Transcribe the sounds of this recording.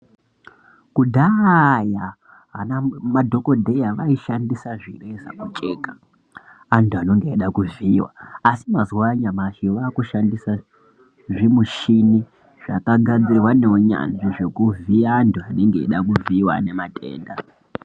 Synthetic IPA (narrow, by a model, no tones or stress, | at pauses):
kudʱaja | ɦanamadʱo̞ko̞dʱe̞jaʋaiʃandisaʐire̞za̰mut͡ʃʼe̞ːkḁ | antuano̞ŋɡe̞ːɗakuviwa̰ːsimazwaɲamaʃiʋaːkuʃandisa | ʐimuʃini | ʐ̥akaɡʱad͡zirwaneoɲa̰nʐiʐe̞kuviaːntuane̞ŋɡḛːɗakuviwa̰ne̞matʼe̞̰ːnda